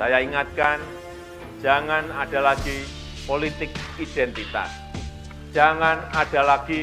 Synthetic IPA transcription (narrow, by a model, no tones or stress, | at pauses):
ajaiŋat̪̚kan̥ | d͡ʒ̥a̤ŋanad̥a̤laɡ̥i | polit̪ɪkid̥ɛnt̪it̪a̰s | ʒ̥aŋanad̥a̤laɡ̥i